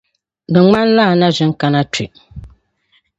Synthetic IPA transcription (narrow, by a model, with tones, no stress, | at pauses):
nɨ˨ŋ͡ma˦n˦la˦˨na˦ʒɪ˦ŋ˦ka˦na˦tḭ˨